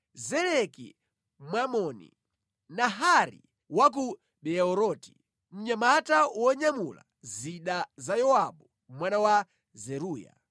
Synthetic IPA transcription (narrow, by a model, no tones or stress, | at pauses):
zɛlɛkḭ | mwamɔnḭ | naɦaɾḭ | wak̬u | ɓɛɔɾɔti̥ | m̩ɲamatawɔɲamula̰ | ziɗazajɔaɓu | mwanawa | zɛɾuːja̰